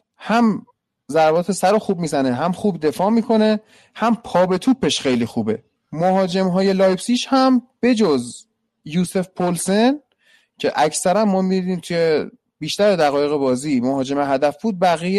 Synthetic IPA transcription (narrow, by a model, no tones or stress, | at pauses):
hæm | zæɾbɒːt̪ʰe̞sæɾoxuːb̚miːzæneɦæmχuːbd̪e̞fɒːmiːkʰo̞ne̞ | hæmpʰɒːbe̞t̪ʰuːpʰːe̞ʃxe̞jlixuːbe̞̰ | moɦɒːd͡ʒe̞mɦɒːje̞lɒːjpsiːʃhæmb̥e̞d͡ʒoz | juːse̞fpʰolse̞n | cʰe̞ʔæcʰsæɾæmːɒːmidiniːmt̪ʰuje | biːʃt̪æɾed̪æɣɒːje̞ɣe̞bɒːziːmoɦɒːd͡ʒe̞meɦæd̪æfb̥uːd̪̚bæɣije